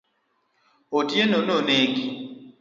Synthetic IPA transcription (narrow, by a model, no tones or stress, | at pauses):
odienononeki